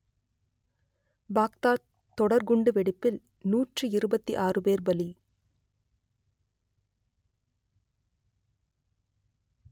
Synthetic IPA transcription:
baːkt̪aː | t̪ːɔɽɐɾɡʊɳɖɯʋɛɽɪpːɪl | nuːʈrɯɪɾɯbɐt̪ːiʔaːrɯbeːɾbɐli

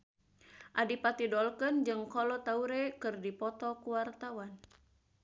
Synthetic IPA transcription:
ʔadipat̪idɔlkənd͡ʒɨŋkɔlɔt̪auɾɛkɨrdipɔt̪ɔkuwart̪awan

